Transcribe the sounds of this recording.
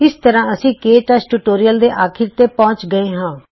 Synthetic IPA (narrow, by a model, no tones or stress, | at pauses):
ɪst̪əɾãːəsĩːkeːʈasʈuːʈoːɾijəld̪eːʔaːkʰɪɾt̪eːpɔ̃ːt͡ʃɡəeːɦãː